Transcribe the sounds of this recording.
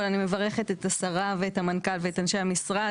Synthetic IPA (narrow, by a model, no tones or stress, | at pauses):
lanime̞vaʁe̞χet̪etasaʁaveːtamankalveetanʃejamisʁa